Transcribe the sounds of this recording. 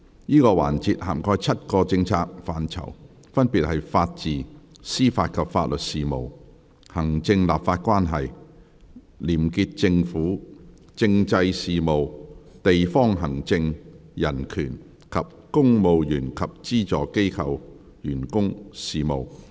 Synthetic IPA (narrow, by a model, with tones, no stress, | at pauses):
jiː˥kɔː˧wa̰ː˨˩nt͡siː˧t̚ha̰ː˨˩mkɔː˧jt͡sʰɐ˥t̚kɔː˧t͡sɪ˧ŋt͡sʰaː˧k̚faː˨nt͡sʰɐ̰˨˩w | fɐ˥npi˨t̚hɐ˨jfaː˧t̚t͡siː˨siː˥faː˧t̚kʰɐ˨pfaː˧t̚lɵ˨t̚siː˨mo˨˩w | hɐ˨˩ŋt͡sɪ˧ŋla̰ː˨pfaː˧t̚kʷaː˥nɦɐ˨˩j | liː˨˩mki˧t̚t͡sɪ˧ŋfuː˨˥ | t͡sɪ˧ŋt͡sɐ˧jsiː˨mo˨wt̪e˨jfɔː˥ŋɦɐ˨˩ŋt͡sɪ˧ŋjɐ˨˩nkʰyː˨˩n | kʰɐ˨p̚kʊ˥ŋmo˨˧wjyː˨˩nkʰɐ˨p̚t͡siː˥t͡sɔː˨ke˥jkʰɐ˧w | jyː˨˩nkʊ˥ŋsiː˨mo̰˨˩w